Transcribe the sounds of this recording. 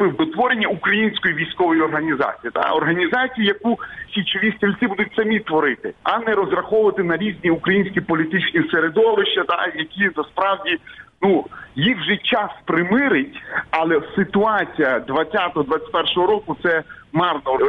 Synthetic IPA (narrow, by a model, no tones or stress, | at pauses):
pɪwd̪ɔt̪ʋɔɾenʲːɐukɾɐjinʲsʲkɔjiʋʲijsʲkɔʋɔjiɔrɦɐnʲizɑ̰t͡sʲijit̪a̰ɔ̰rɦɐnʲizɑt͡sʲijijɐkusʲit͡ʃɪʋʲisʲt̪ʲilʲsʲɪbud̪ʊtʲsɐmʲit̪ʋɔɾɪt̪ɪɐnɛɾɔzrɐxɔʋʊʋɐt̪ɪnɐɾʲizʲnʲiukɾɐjinʲsʲkʲipɔlʲit̪ɪt͡ʃnʲiseɾed̪ɔʋɪʃt͡ʃɐt̪a̰jɐkʲinɐspɾɑwdʲinujixwʒɛt͡ʃɑspɾɪmɪɾɪtʲɐlˠɛsɪt̪ʊɑt͡sʲijɐd̪ʋɐt͡sʲːat̪ɔɦɔd̪ʋat͡sʲt̚ʲpɛrʃɔɦɔɾɔkʊt̪sɛ | mɑrnɔ